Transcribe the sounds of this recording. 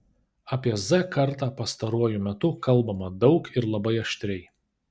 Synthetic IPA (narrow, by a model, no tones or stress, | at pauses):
ɐpʲiɛzɐkɐɾt̪ɑːpɐst̪ɐɾuɔjʊmʲɛt̪ʊkɐlˠbɐmɐd̪ɒʊkɪɾlˠɐbɐɪɐʃʲt̪ʲɾʲɛɪ